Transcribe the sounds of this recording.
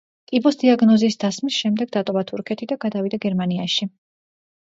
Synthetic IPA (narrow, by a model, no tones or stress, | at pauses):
t̪ʼibɔsd̪iaɡnɔzisd̪asmisʃɛmd̪ɛɡ̚d̪at̪ʼɔvat̪ʰuɾkʰɛt̪ʰid̪aɡad̪avid̪aɡɛɾmaniaʃi